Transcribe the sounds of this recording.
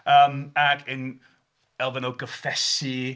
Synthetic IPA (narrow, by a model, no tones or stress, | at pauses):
əmaɡɪn | ɛlˠvənoɡəfɛsi